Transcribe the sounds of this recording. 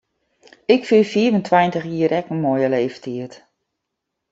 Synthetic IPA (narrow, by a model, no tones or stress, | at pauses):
ɪkfifiəvəntʰwajntəxiəɾʔɛkənmojəleːftʰiət